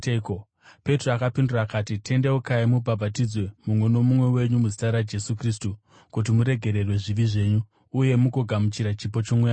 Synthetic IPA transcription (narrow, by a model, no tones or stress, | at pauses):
ko | pe̞troakapinduraːkaːtitʰe̞ndeukaimubʱabʱatid͡zwe̞mumwe̞no̞mumwe̞we̞ɲumuzitaɾad͡ʒe̞sukriːstu | kut̬imuɾe̞ɡʱe̞ɾe̞rwe̞ʐiʋiʐe̞ːɲuː | je̞mukoɡʱamut͡ʃiɾat͡ʃipo̞t͡ʃomwuja